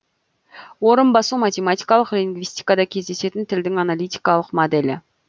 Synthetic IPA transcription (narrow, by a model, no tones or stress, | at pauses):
wo̞ɾənbɑsumat̪ʲe̞mat̪ijkɑlˠəqlʲiŋɡvist̪i̥jkɑd̪ɑkʲʰe̞zd̪e̞se̞t̪ɪnt̪ʰɪld̪ɪŋɑnalʲijt̪ijkɑlˠəqmod̪elʲɪ̰